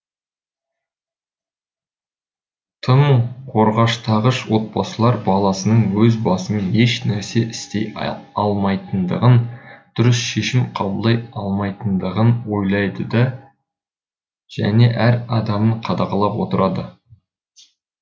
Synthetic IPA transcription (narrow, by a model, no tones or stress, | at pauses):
t̪ʰəmuqʰo̞ɾʁɑʃt̪ʰɑʁəʃwo̞t̪̚bɑsəlˠɑɾbɑlˠɑsənəɴwɵzbɑsəmeneʃnæɾse̞ʔɪst̪e̞jɑlˠmɑjt̪ənd̪əʁənd̪̥ʊɾɪsʃe̞ʃɪmqʰɑbəlˠːɑjɑlˠmɑjt̪ənd̪əʁənwo̞jlˠɑjd̪əd̪ɑ | ʒ̥æ̰ne̞ʔæɾɑd̪ɑməɴqʰɑd̪ɑqɑlˠɑpwo̞t̪əɾɑd̪ə